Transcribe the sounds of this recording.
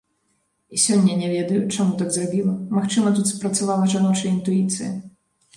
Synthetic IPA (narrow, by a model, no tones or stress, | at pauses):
isʲɔnʲːɐnʲɛvʲɛd̪ɐjut͡ʂamut̪aɡzrabʲilˠɐmaxt͡ʂɨmɐt̪ut̪spɾɐt̪savalˠɐʐanɔwt͡ʂɐint̪ujit̪sɨjɐ̰